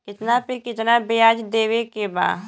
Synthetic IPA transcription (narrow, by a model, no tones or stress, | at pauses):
kɪt̪napɪɾkɪt̪nabejaːd͡ʒd̪eːwekeba̰ː